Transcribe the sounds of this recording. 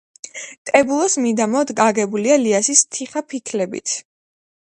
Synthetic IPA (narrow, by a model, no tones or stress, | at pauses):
t̪ʼɛbulˠɔsmid̪amɔd̪ɡaɡɛbulialiasist̪ʰiχapʰikʰlɛbḭt̪ʰ